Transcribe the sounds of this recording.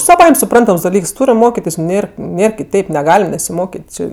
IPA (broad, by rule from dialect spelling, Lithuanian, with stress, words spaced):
sɐˈʋɐɪmʲ sʊˈprɐntɐms dɐˈlʲiːks ˈtʊrʲɪm ˈmoːkʲɪtʲɪs nʲɛs ˈnʲeːr ˈnʲeːr kʲɪˈtʲɛɪp nʲɛˈɡɑːlʲɪm nʲɛsʲɪˈmoːkʲɪtʲ ˈt͡ʃʲɪ